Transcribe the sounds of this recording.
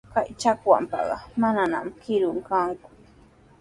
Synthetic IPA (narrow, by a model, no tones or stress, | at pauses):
kajt͡ʃakwa̰mpɑ̰ɢɑmanana̰mkɪɾʊŋkaŋkʊ̥